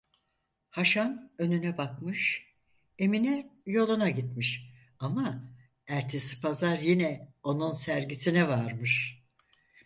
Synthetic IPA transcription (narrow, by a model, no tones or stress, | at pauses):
haʃanø̞nynɛbakmɯʃ | e̞minɛjo̞lˠunaɟit̪miʃ | ama | æɾt̪ʰe̞si̥pʰazaɾjinɛo̞nunsæɾɟisinɛvaɾmɯʃ